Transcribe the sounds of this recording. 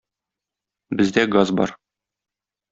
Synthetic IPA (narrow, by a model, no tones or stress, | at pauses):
bɘ̆zd̪æɡazbɒ̰ɾ